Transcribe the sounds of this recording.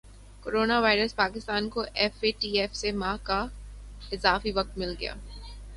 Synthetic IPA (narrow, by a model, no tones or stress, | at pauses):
koːɾoːnaʋaːɪɾəspaːkɪst̪aːnkoʔɛfeʈiːɛfsemãːka | ɪzaːfiʋɐk̚t̪̚mɪlɡɐja̰ː